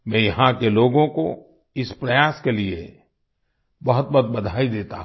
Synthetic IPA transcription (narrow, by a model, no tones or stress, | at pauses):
mɛ̃jɐɦãkeloːɡõko | ɪspɾɐjaːskelie | bɐɦʊt̪̚bɐt̪̚bɐd̪ʱaːid̪eːt̪a̰ɦ